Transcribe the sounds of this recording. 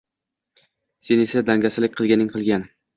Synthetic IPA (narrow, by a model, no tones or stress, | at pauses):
senesad̪aŋɡʲasɪlɪk̚ʲqʰɨlˠɡʲanɪŋqʰɨlˠɡʲan